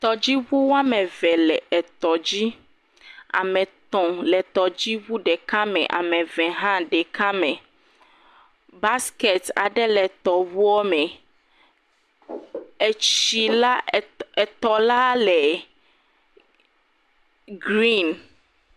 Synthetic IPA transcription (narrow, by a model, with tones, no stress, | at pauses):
t̪ɔ˨d͡ʑi˦wu˦wa˦mɛ̃˨vɛ˨lɛ˨ɛ˨t̪ɔ˨d͡ʑi˦ | a̰˨mɛ̃˨t̪ɔ̃˨lɛ˨t̪ɔ˨d͡ʑi˦wu˦ɖɛ˨ka˦mɛ̰̃˨ʔa̰˨mɛ̃˨vɛ̃˨ɦã˦ɖɛ˨kã˦mɛ̃˨ | ba˦ske˨t̪a̰˨ɖɛ˦lɛ˨t̪ɔ˨wu˦ɔ˦mɛ̃˨ | e˨t͡ɕi˨la˦ɛ˨t̪ɔ˨la˦lɛ˨ | ɡɾi˦n